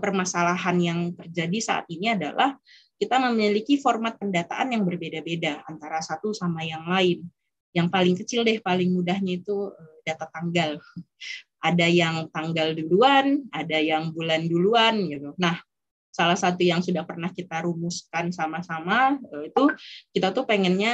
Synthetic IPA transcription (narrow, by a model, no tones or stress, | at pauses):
pərmasalaɦanjaŋt̪ərd͡ʒadisa̰ʔa̰t̪̚iniada̰lʔah | kit̪aməmilikifɔrmat̪̚pəndat̪a̰ʔanjaŋbərbedabedaant̪aɾasat̪usamajaŋlaɪn | jaŋpalɪŋkət͡ʃɪldɛhpalɪŋmudahɲait̪uədat̪at̪aŋɡal | ʔadajaŋt̪aŋɡalduluanadajaŋbulanduluanjadunah | salahsat̪ujaŋsudahpərnahkit̪aɾumuskansamasamaəit̪ukit̪at̪upəŋɛnɲa